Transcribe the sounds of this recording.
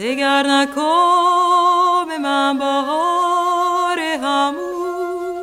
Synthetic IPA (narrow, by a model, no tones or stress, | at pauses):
eɡæɾnækʰo | bemænbɔːɦɔ | ɾeɦæmu